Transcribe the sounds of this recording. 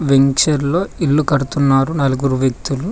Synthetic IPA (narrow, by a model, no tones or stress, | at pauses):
ʋeŋkʂɐɾlo̞ːilːukɐɽut̪unːaːɾunɐluɡuɾuʋjek̚t̪ulu